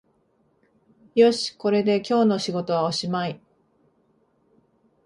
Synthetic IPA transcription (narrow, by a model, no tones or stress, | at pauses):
jo̞ɕi̥ko̞ɾe̞d̪e̞kʲo̞ːno̞ɕiɡo̞t̪o̞βaoɕimai